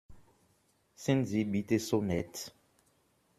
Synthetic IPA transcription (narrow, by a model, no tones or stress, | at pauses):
sĩnzibitesonɛt